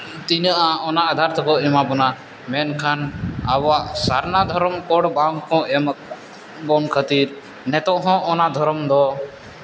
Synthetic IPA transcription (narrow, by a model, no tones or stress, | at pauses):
t̪iɲaʔaɔnaːd̪ʱaɾt̪ʰɔkɔɛmabɔna | mɛnkʰanabɔaʔsaɾnad̪ʱɔɾɔmkɔɽbãŋkɔ̃ɛm | bɔnkʰət̪iɾ | nɛt̪ɔʔɦɔ̃ʔːnad̪ʱɔɾɔmd̪ɔ